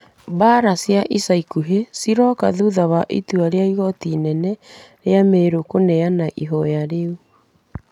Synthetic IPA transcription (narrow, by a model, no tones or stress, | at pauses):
baɾasjaʔisaikuɦesiɾɔkaðuðaβaʔituaɾeaiɣɔtinɛnɛɾeameɾokonɛanaʔiɦɔjaɾeu